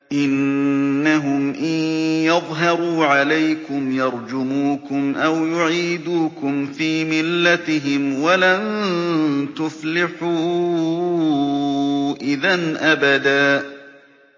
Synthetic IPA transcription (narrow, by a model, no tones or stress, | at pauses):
ʔɪnː | aɦʊmʔɪnjɑðˤɦɑɾuːʕalajkʊmjɑɾˤd͡ʒʊmuːkʊmʔawjʊʕiːd̪uːkʊmfiːmɪlːat̪ɪɦɪmwalan | t̪ʊflɪħuː | ʔɪðanʔabad̪aː